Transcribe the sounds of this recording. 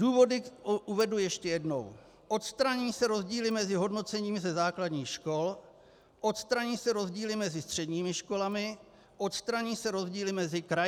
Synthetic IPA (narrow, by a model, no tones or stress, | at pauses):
duːvo̞dɪʔuvɛdujɛʃcɛjɛdno̰w | ʔo̞t̪st̪ɾaɲiːsɛɾo̞zɟiːlɪmɛzɪɦo̞dno̞t͡sɛɲiːmzɛzaːkladɲiːxʃko̞l | ʔo̞t̪st̪ɾaɲiːsɛɾo̞zɟiːlɪmɛzɪst̪r̝̥ɛdɲiːmɪʃko̞lamɪ | ʔo̞t̪st̪ɾaɲiːsɛɾo̞zɟiːlɪmɛzɪkɾa